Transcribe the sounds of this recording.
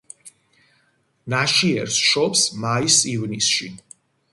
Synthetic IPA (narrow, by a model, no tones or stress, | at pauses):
naʃiɛɾsʃɔpsmaisivnisʃi